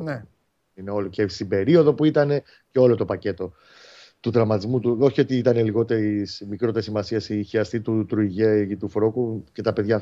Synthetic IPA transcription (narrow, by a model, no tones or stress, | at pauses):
ne | ine̞o̞licest̪ibe̞ɾio̞ðo̞puit̪ɐne̞ | ceo̞lo̞t̪o̞pɐce̞t̪o̞ | t̪uðɾɐmɐt̪izmut̪uo̞çio̞t̪iit̪ɐneliɣo̞t̪e̞ɾismikɾo̞t̪esimɐsiɐsiçiɐst̪it̪ut̪ɾuiʝe̞it̪ufɾokuce̞t̪ɐpe̞ðʝɐ